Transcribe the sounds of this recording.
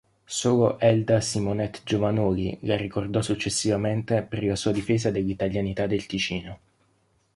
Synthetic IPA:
soːloʔɛld̪asimonɛt̪ːd͡ʒovanoːlḭlarːikord̪ɔsut͡ʃːesːivament̪eperlasuːad̪ifeːzad̪elːit̪aʎjanit̪ad̪ːelt̪it͡ʃiːno

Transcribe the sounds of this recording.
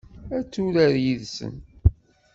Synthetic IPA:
æt͡sːuɾəɾjiðsə̰n

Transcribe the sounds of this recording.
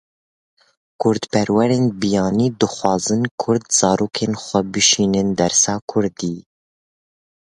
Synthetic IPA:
kʰʊɾd̪pɛɾwɛɾeːnbijɑːniːd̪ɨxwɑːzɨnkʰʊɾd̪z̥ɑːɾoːkʰeːnxʷɛbɨʃiːnɨnd̪ɛɾsɑːkʰʊɾd̪iː

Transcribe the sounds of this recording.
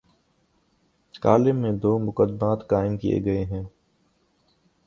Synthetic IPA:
kaːlɪmːẽd̪oːmʊkəd̪maːt̪kaːɪmkijḛɡɐeɦɛ̃ː

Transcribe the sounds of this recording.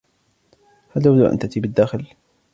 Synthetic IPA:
halt̪abd̪uʔa̰nt̪at̪iːbad̪ːaːxɪl

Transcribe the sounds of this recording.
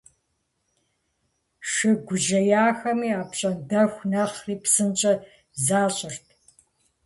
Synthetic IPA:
ʂɨɡʷʊʒɐjaːxɐmiːaːpɕʼɐndɐxʷnɐχriːpsɨnt͡ʃʼɐ | zaːɕʼɪrtʰ

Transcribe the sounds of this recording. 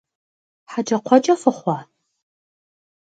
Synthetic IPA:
ħad͡ʒɐqʷʰɔd͡ʒʼɐfɨχʷɑː

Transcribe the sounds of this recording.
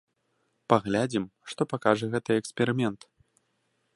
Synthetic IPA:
paɣlʲad͡zʲimʂt̪ɔpakaʐɛɣɛt̪ɨɛkspʲɛɾɨmʲɛnt̪

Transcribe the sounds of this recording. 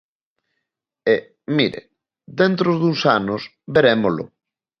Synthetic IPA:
e | miɾḛ | d̪ent̪ɾozðuŋsanʊs | beɾemolʊ̰

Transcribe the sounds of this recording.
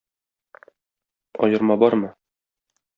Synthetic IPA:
ɒ̰jɤ̆ɾmɑbɒɾmɤ

